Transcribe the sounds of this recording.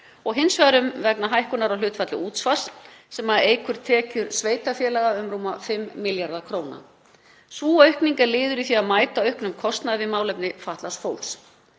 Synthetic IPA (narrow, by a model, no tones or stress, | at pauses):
ɔɣɦɪnsvaɾʏmvɛknaɦajhkʏnaɾawlʏːt̪fat̪lʏuːt̪sfassɛmaðeːjkʰʏɾ̥t̪ʰɛːcʏɾsveːjt̪afjɛːlaɣaʏmɾuːmafɪmːɪljaɾðakʰɾoːwna̰ | svuːœɥhkniŋkaɾlɪːðʏɾiθiaðmaːjt̪aœhknʏmkʰɔst̪naðɪvɪmaːwlɛpnɪfaht̪lasfoːwls